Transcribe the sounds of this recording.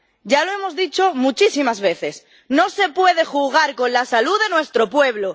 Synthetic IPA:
ɟ͡ʝaloe̞mozðit͡ʃomut͡ʃisimazβe̞θe̞s | no̞se̞pwe̞ð̞e̞xuɣ̞aɾko̞nlasaluðe̞nwe̞st̪ɾo̞pwe̞β̞lo

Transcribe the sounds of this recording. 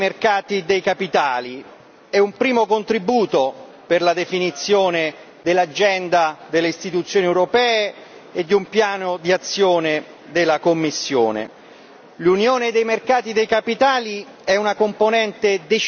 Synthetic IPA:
merkaːt̪id̪ejkapit̪aːli | ɛumpɾiːmokont̪ɾibuːt̪o | perlad̪efinit̪sːjoːne | d̪elːad͡ʒːɛnd̪ad̪elːeist̪it̪ut̪sːjoːniewɾopɛːe | ed̪ːiumpjaːnod̪iat̪sːjoːne | d̪elːakomːisːjo̰ːnḛ | lunjoːned̪ejmerkaːt̪id̪ejkapit̪aːli | ɛunakomponɛnt̪ed̪e

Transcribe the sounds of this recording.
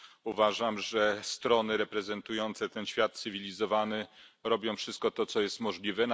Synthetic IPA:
uvaʐamʐɛst̪ɾɔnɘɾɛpɾɛzɛnt̪ujɔnt̪sɛt̪ɛnɕfʲjat̪̚sɘvʲilʲizɔvanɛɾɔbʲjɔ̃w̃fʂɘst̪̚kɔt̪ɔt̪sɔjɛst̪mɔʐlʲivɛn

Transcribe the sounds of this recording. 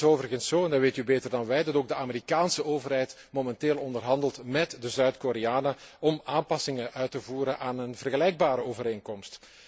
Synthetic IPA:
oːvərɣənsoːɛndɑʋeːtybeːtərdɑnʋɛjdɑtoːɡ̚dəaːmeɾikaːnsəʔoːvərɦɛjt | momɛnteːlˠɔndərɦɑndəlˠtmɛtdəzœɥtkoɾeaːnəɔmaːmpɑsɪŋəʔœɥtəvuːɾənʔaːnənvərɣəlɛjɡ̚baːɾəoːvəɾeːŋkɔmst

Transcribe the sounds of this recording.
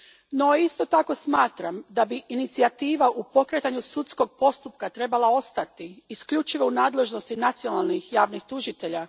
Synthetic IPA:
no̞ist̪o̞t̪ako̞smaːt̪ɾamd̪abiinit̪siat̪iːʋaʔupo̞kɾet̪aɲusut̪sko̞ɡ̚po̞st̪up̚kat̪ɾe̞balao̞st̪at̪iːskʎut͡ʃiʋo̞unaːd̪le̞ʒno̞st̪inat̪sijo̞nalˠnixjaːʋnixt̪uʒit̪e̞ʎa

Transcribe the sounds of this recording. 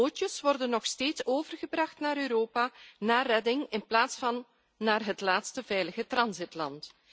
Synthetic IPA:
oːt͡ʃəsʋɔrdənːɔxsteːtsoːvərɣəbrɑxtnaːɾøːɾoːpaːnaːrɛdɪŋɪnplaːtsfɑnː | aːrɦətlaːtstəvɛjləɣətrɑnzɪtlɑnt

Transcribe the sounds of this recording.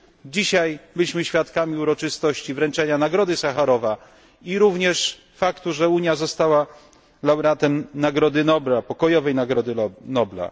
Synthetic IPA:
d͡ʑiɕajbɘlʲiɕmɘɕfʲjat̪kamʲiuɾɔt͡ʂɘst̪ɔɕt͡ɕivɾɛnt͡ʂɛɲanaɡɾɔd̪ɘsaxaɾɔva | iɾuvɲɛʂ | fakt̪uʐɛuɲjazɔst̪awa | lawɾat̪ɛmnaɡɾɔd̪ɘnɔblapɔkɔjɔvɛjnaɡɾɔd̪ɘnɔbla̰

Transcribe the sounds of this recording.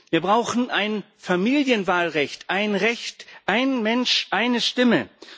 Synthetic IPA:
viːɐbʁaʊxn̩ʔaɪn | famiːljənvaːlʁɛçtʔaɪnʁɛçtʔaɪnmɛnʃʔaɪnəʃtɪmə

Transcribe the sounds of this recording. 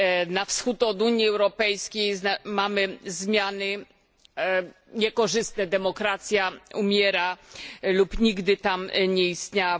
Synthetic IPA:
nafsxut̪ɔd̪uɲiɛwɾɔpɛjskʲejznamamɘzmʲjanɘ | ɲɛkɔʐɘst̪̚nɛd̪ɛmɔkɾat̪sʲjaumʲjɛɾalupɲiɡd̪ɘt̪amɲɛist̪ɲa

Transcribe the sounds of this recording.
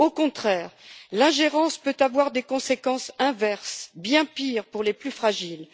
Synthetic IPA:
okɔ̃t̪χɛːʁlɛ̃ʒeʁɑ̃spøt̪avwaʁd̪ekɔ̃sekɑ̃sɛ̃vɛʁsbjɛ̃piʁpuʁleplyfχaʒil

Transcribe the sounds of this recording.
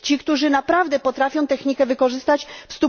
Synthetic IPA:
t͡ɕikt̪uʐɘnapɾavd̪ɛpɔt̪ɾafʲjɔ̃w̃t̪ɛxɲikɛvɘkɔʐɘst̪at͡ɕfst̪u

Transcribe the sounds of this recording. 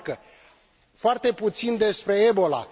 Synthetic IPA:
kə | foart̪e̞put̪sind̪e̞spɾe̞ebo̞la̰

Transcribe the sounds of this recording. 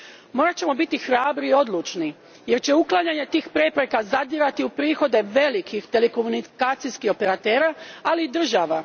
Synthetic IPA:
mo̞ːɾat͡ɕe̞mo̞bit̪ixɾaːbɾiːo̞d̪lˠut͡ʃni | je̞ɾt͡ɕe̞uklˠaɲaɲe̞t̪iːxpɾe̞pɾe̞kazad̪iɾat̪iupɾiːxo̞d̪e̞ʋe̞likʰixt̪e̞leko̞munikaːt̪sijskixo̞pe̞ɾat̪e̞ːɾaaliːd̪r̩ʒaʋa

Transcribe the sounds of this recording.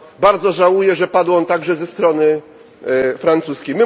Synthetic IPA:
baɾd̪zɔʐawujɛʐɛpad̪wɔnt̪aɡʐɛzɛst̪ɾɔnɘ | fɾant̪suskʲejmɘ

